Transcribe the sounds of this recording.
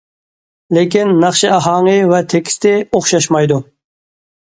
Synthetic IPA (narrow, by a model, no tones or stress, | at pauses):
lekʰinːɑχʃiɑɦɑːŋivæt̪ʰekʰi̥st̪ioχʃɑʃmɑjd̪u